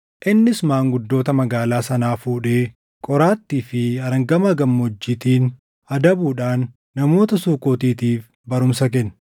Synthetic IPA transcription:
ʔɪnːɪsmaːŋɡʊd̪ːo̞ːt̪ɐmɐɡaːlaːsɐnaːfuːᶑe̞ː | kʼɔɾaːt̪ːiːfɪɐɾɐŋɡɐmɐɡɐmːod͡ʒːiːt̪iːn | ɐd̪ɐbuːᶑaːnː | ɐmo̞ːt̪ɐsuːkoːt̪iːt̪iːf | bɐɾʊmsɐk̬ɛn

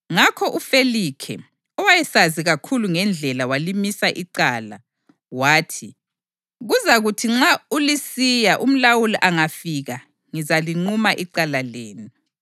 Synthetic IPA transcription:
ŋakʰɔʔufelikʰɛ̰ | ɔwajɛsaziɣakʰuluŋɛnd͡ɮʱɛlawalimisaʔiǀaːla | waːtʰi | ɣuzaɣutʰiŋ͡ǁaulisijaʔum̩lawuliʔaŋafiɣa | ŋizaliŋ͡ǃumaʔiǀalaleːni

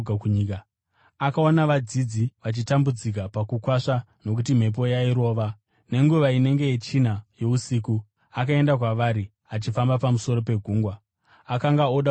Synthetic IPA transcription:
akuɲika | akao̞naʋad͡zid͡ziʋat͡ʃitambud͡zik̬apakukwaʂa | no̞k̬ut̬im̤e̞p̬o̞jaiɾo̞ːʋa | ne̞ŋɡuʋaine̞ŋɡe̞jet͡ʃin̤ajo̞usiːku | akae̞ndakwaʋaɾi | at͡ʃifambapamuso̞ɾo̞pe̞ɡʱuːŋɡwaː | kaŋɡaoɗa

